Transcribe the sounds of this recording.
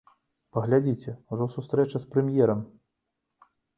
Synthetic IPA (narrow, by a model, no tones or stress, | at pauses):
pɐɣlʲad͡zʲit͡sʲɛuʐɔsust̪ɾɛt͡ʃɐspɾɛmʲjɛɾɐm